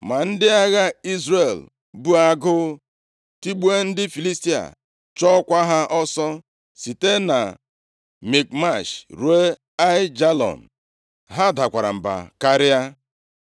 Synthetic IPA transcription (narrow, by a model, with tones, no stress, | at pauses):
ma˨n̩˦dɪ˦a˦ɣa˦i˦zre˨l | bu˦a˦ɡʊ˦ | ti˦ɡ͡bu˦e˦n̩˦dɪ˦fi˨li˦sti˦a̰˨ | t͡ʃɔ˦kʷa˦ɦa˦ʔɔ˦sɔ˦ | si˨te˦na˨ | mi˨k̚ma˦˨ʃɾu˨˦e˦ | a˦ɪ˦d͡ʒa˦lɔ̰˨n̩˨ | ɦa˦da˨kʷa˨ɾa̰˨m̩˨ba̰˨ka˦ɾɪ˦a˦